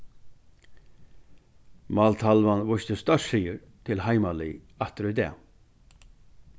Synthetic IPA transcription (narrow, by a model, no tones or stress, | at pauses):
mɑːlt̪ʰalʋanʋʊʃt̪əst̪œʂiːəɾ | t̪ʰɪlhaɪmaliː | ɑt̪ɾʏd̪ɛ̰ː